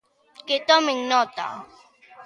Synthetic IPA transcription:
ket̪ɔmɪŋnɔt̪a̰

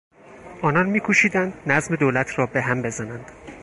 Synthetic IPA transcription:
ʔɒːnɒnmiːkʰuːʃiːd̪ænd̪næzme̞d̪oːlæt̪ʰɾɒːbe̞ɦæmbe̞zænænd̪̥

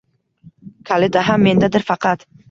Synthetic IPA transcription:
kʰalɪd̪aɦamːe̞nd̪ad̪ɪɾfɑqʰɑt̪

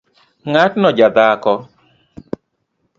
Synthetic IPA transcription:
ŋatnɔd͡ʒad̪akɔ

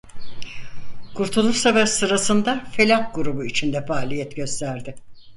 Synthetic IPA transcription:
kʰuɾt̪ʰulˠuɾsavɛsɯɾasɯnd̪afe̞lʲahɡuɾubuit͡ʃʰind̪ɛfaːlʲijɛt̪ɟø̞st̪ʰæɾd̪ɪ

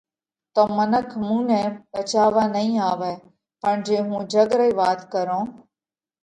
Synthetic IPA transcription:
t̪oːmənəkʰmũːnɛ̃ːbət͡ʃaːʋaːnəĩːaːʋɛː | pəɳ̃d͡ʒeːɦũːd͡ʒəɡɾəiːʋaːt̪kəɾõː

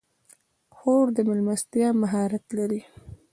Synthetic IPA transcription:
xoɾd̪əmɪlmast̪jɑmaɦɑɾat̪laɾi

